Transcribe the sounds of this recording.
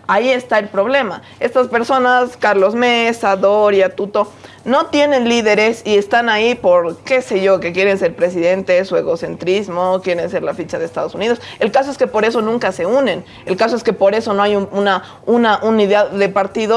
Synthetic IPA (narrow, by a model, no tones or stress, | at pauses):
aie̞st̪ae̞lpɾo̞βle̞ma | e̞st̪aspe̞ɾso̞naskaɾlo̞zmesaðoɾjat̪ut̪o̞ | no̞t̪je̞ne̞nliðe̞ɾe̞sie̞st̪anaipo̞ɾke̞se̞ʝo̞ke̞kje̞ɾe̞nse̞ɾpɾesiðe̞nt̪esue̞ɣo̞se̞nt̪ɾizmokje̞ɾe̞nse̞ɾlafit͡ʃaðest̪að̞o̞suniðo̞se̞lkas̬o̞eske̞po̞ɾe̞so̞nũŋkase̞unẽ̞n | e̞lkas̬o̞eske̞po̞ɾe̞so̞noajuuna | unaʔuniðeaððe̞paɾt̪iðo